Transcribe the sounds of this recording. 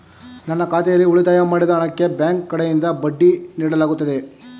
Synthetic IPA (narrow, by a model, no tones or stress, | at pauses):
nɐnːɐkaːt̪ɛjɐlːiuɭit̪aːjɐmaːɽid̪ɐɐɳɐkːe̞bjaːŋkːɐɽejind̪ɐbɐɖːiniːɽɐlaːɡut̪ːɐd̪e̞